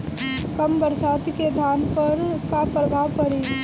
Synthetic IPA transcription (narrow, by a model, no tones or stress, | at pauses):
kɐmbɐɾsaːt̪iked̪ʱaːnpɐɾkapɾɐbʱaːʋpɐɽeː